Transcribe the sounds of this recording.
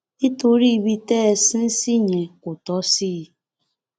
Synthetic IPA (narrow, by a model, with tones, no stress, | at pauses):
i˦to˨ɾi˦˨bi˦tɛː˦˨si˦n̩˦si˦ɲe˨kʊ˨tɔ˨˦si˦˨˦